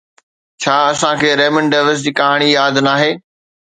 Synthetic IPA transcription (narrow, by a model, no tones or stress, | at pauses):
t͡ɕʰaːɐsãkʰeːɾeːmə̃ɳɖɖeːʋəs̬d͡ʑiːkɐɦaːɽ̃ijaːd̪naːɦeː